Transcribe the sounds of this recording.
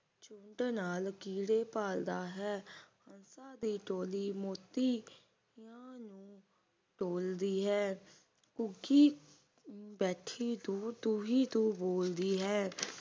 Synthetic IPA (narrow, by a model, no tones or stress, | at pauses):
t͡ʃʊɳʈnaːlkiːɽeːpaːld̪aːɦɛːhənsãːd̪iːʈoːliːmoːt̪iː | jãːnũː | ʈoːld̪iːɦɛː | kʊɡiː | bɛːʈʰiːt̪ũːt̪uːɦiːt̪ũːboːld̪iːɦɛː